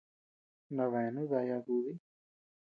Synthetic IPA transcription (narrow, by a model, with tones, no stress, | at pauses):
nã˧βɛ˨nũ˦ða˧ja˧ɡu˧ði˦